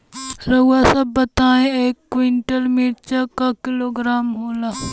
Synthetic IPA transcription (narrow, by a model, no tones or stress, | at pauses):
ɾɐuasɐbːɐt̪aːẽeːkːwɪɳʈəlmiːɽt͡ʃakakɪloːɡɾaːmɦoːlaː